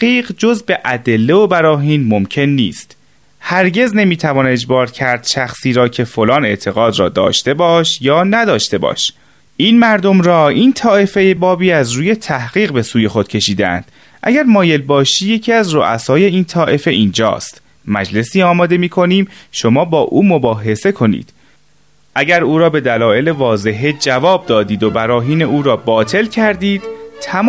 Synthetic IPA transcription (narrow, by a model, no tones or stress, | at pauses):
iːɢd͡ʒo̞zbe̞ʔæd̪elːe̞obæɾɒːɦiːnmo̞mcʰe̞nːiːst̪ | hæɾɟe̞zne̞miːt̪ʰævɒːne̞d͡ʒbɒːɾcʰæɾd̪̥ʃæxsiːɾɒːcʰe̞fo̞lɒːne̞ʔt̪ʰe̞ɣɒːd̪ɾɒ̰ːd̪ɒ̰ːʃt̪e̞bɒːʃjɒːnæd̪ɒːʃt̪e̞bɒ̰ːʃ | ʔiːnmæɾd̪o̞mɾɒːiːnt̪ʰɒːʔe̞fejebɒːbiːæzɾuːje̞t̪ʰæhɣ̥iːɣbe̞suːje̞xo̞d̪̥̚cʰe̞ʃiːd̪eæ̰nd̪̥ | ʔæ̰ɡæɾmɒːje̞lbɒːʃiːje̞cʰiːæzro̰ʔæ̰sɒːje̞iːnt̪ʰɒːʔe̞fe̞ʔiːnd͡ʒɒ̰ːst̪ | mæd͡ʒle̞siːɒːmɒːd̪e̞miːkʰo̞niːmʃo̞mɒːbɒːʔuːmo̞bɒːɦe̞se̞kʰo̞nḭːd̪̥ | ʔæɟæɾuːɾɒːbe̞d̪ælɒːe̞le̞vɒːze̞ɦe̞d͡ʒævɒːb̚d̪ɒːd̪iːd̪o̞bæɾɒːɦiːne̞ʔuːɾɒːbɒːt̪ʰe̞lcʰæɾd̪iːd̪̥t̪ʰæm